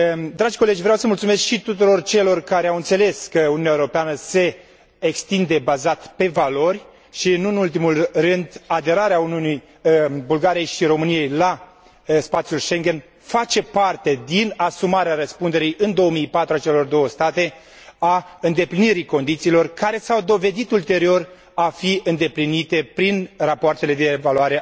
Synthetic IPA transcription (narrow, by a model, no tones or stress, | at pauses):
d̪ɾad͡ʒʲko̞le̞d͡ʒʲvɾeawsəmult̪sume̞skʃit̪ut̪uɾo̞rt͡ʃe̞lo̞rkaɾeawɨnt̪se̞le̞skəuniunʲaewuɾo̞peanəse̞ː | kst̪ind̪e̞bazat̪pe̞valo̞rʲ | ʃiɨnuɨnult̪̬imulrɨnd̪ad̪e̞ɾaɾeauniunij | bulɡaɾijejʃiɾo̞mɨnije̞jla | spat̪sjulʃe̞ŋɡʲe̞n | fat͡ʃe̞part̪e̞d̪inasumaɾeaɾəspund̪e̞ɾijɨnd̪o̞omijpat̪ɾuat͡ʃe̞lo̞rd̪o̞wəst̪at̪e̞ | aɨnd̪e̞pliniɾiko̞nd̪it̪siːlo̞rkaɾe̞sawd̪o̞ve̞d̪it̪ult̪e̞ɾio̞r | afiɨnd̪e̞plinit̪e̞pɾinrapoart̪e̞le̞d̪e̞ːvaluaɾe